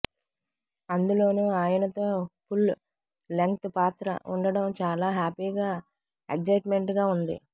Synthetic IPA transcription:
ɐnd̪ulo̞ːnuːaːjɐnɐt̪o̞ːpʰul | leŋkt̪upaːt̪ɾɐ̰ʔuɳɖɐɽɐmt͡ʃaːlaːɦaːpiːɡaː | ek̚d͡ʒɐjʈme̞ɳʈɡaːund̪ḭ

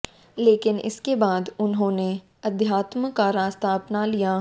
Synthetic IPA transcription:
leːkɪnɪ̰skebaːd̪ʊnɦõːne | ɐd̪jaːt̪məkaɾaːst̪aːɐpnalija

